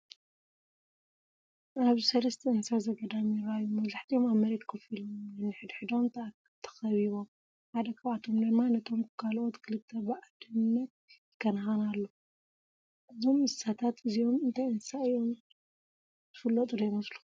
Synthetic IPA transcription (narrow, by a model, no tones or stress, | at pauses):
ʔaβzisɐlɐst̪ʰɐɨnsazɐɡɐd̪amiɾajːumɐβzaħt̪ʰiomaβmɐɾet̪kʰɐfilomnːɨħɨd̪ħɨd̪o̞m | t̪ʰɐ̥xɐβiβo̞m | ħad̪ɐkʰɐβat̪ʰo̞md̪ɨmːanɐt̪ʰo̞mkʰalʔot̪kʰɨlɨt̪ʰːɐbɨʕad̪ɨnːɐt̪̚ | kʰːɐnhanalːo | ʔɨzo̞mɨsat̪ʰat̪ɨzio̞mɨnt̪ʰajɨnsaɨjo̞m | z̥ɨfɨlːot̪ʼud̪ɐmɐslu